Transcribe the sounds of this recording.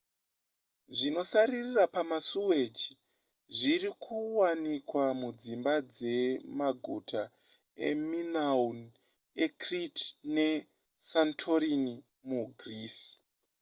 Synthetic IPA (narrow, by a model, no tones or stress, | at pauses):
ʐino̞saɾirirapamasuwed͡ʒi | ʐirikʰuwanikwamud͡zimbad͡ze̞maɡʱutʰa | ḛminaun | ekritne̞ | santʰo̞ɾini | muɡʱriːs